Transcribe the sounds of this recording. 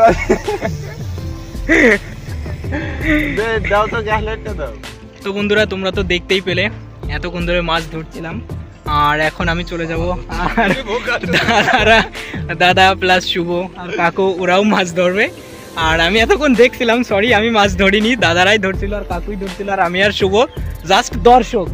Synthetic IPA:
bed̪awt̪ɔɡɛɦleʈːed̪aw | t̪okund̪uɾat̪umɾat̪ɔd̪ekʰt̪ejpele | ɛt̪okond̪ʱoɾemad͡ʑd̪ʱoɽt͡ʃʰilam | aɾɛkʰonamit͡ɕoled͡ʑabɔaɾd̪ad̪aɾad̪ad̪aplasʃuboaɾkakouɾawmad͡ʑd̪ʱɔɾbe | aɾamiɛt̪okond̪ekʰt̪ʰilamsɔɾiamimad͡ʑd̪ʱoɽinid̪ad̪aɾajd̪ʱoɽt̪ʰiloaɾkakujd̪ʱoɾtʰiloaɾamiaɾʃubod͡zasʈd̪ɔɾʃok̚

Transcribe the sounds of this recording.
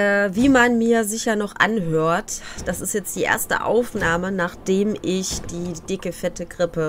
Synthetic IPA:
ʔɛːviːmanmiːɐzɪçɐnɔχʔa̰nɦøːɐtd̥asɪstjɛt͡std̥iːʔḛːɐstə̰ʔa̰ʊfnaːmənaːχd̥eːmʔɪçd̥iːd̥ɪkəfɛtəɡʁɪpə

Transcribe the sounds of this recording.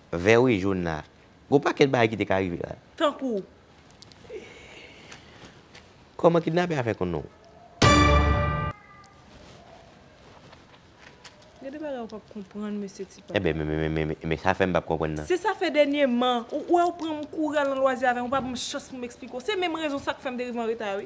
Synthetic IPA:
vɛwiʒunla̰ | ɡopakɛt̚baɡajkit̪ekaɣivḛla̰t̪ãku | kɔmãkitnapeafɛkõnṵ̃ | ɡɛ̃dɛbaɡajopab̚kɔ̃pɣɐ̃nmøsjøt͡si̥paɛbɛ̃mɛ̃mɛ̃mɛ̃mɛ̃ɛmɛ̃sa̰fɛm̩pap̚kɔ̃pʁɐ̰̃nːã̰sesafɛd̪ɛnjemɐ̃uʔwɛupʁɐ̃mũkuɣɛlnɐ̃lwaziavɛ̃ũpabɔ̃mʃɐ̃spumeksplikeosemɛ̃mɣezɔ̃sakfɛm̩t̪̬eɣiveãɣet̪awi

